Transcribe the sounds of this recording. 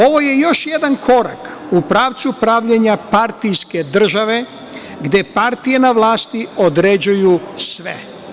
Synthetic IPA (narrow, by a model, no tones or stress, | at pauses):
o̞ʋo̞jejo̞ʃje̞d̪ankʰo̞ɾa̰kupɾaːʋt̪supɾaːʋʎeɲapaɾt̪ijske̞d̪r̩ʒaʋe̞ | ɡd̪e̞paɾt̪ije̞naʋlˠaːst̪io̞d̪ɾed͡ʑujusʋḛ